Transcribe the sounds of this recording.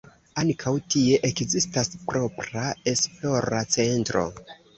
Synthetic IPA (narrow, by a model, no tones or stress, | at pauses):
aŋkʰawtie̞ʔekzistaspɾo̞pɾae̞spo̞ɾat͡se̞ntɾo̞̰